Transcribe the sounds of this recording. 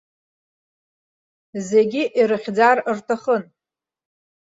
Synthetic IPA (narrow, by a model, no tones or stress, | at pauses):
zeɡʲiʔiɾɨχʲd͡zarɨrtʰaχən